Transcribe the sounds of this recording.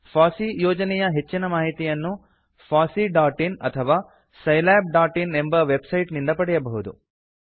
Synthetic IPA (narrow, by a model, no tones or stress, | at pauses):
fʰaːsijoːd͡ʒɐnɛjɐɦe̞t͡ʃːinɐmaːɦit̪ijɐnːu | fʰaːsiɖaːʈinɐt̪ʰɐʋaː | sɐjlaːb̚ɖaːʈine̞mbɐʋebsɐjʈnind̪ɐpɐɽɛjɐbɐɦud̪ṵ